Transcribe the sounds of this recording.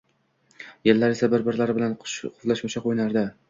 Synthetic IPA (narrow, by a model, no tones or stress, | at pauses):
jelːaɾesabɪɾbɪɾlaɾɪbɪlanʃqʰʊflaʃmʊt͡ʃʰaqʰojnaɾd̪ɪ